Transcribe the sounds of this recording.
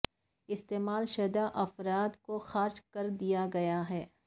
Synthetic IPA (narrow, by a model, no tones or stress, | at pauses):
ɪst̪eːmaːlʃɐd̪aʔɐfɾaːd̪koxaːɾt͡ʃkɐɾd̪ijaɡɐjaɦɛː